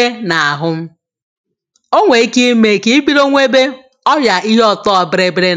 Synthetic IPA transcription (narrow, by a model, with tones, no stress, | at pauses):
e˦na˨a˨ɦʊ˦m̩˦ | o˦ŋʷe˨i˦ki˦me˨ki˦i˦ɡ͡bi˦ɾo˦ŋʷe˦be˦ | ɔ˦ja˨ʔi˦ɦɔ˦tɔ˦ɔ˨bɪ˦ɾe˦bɪ˦ɾe˦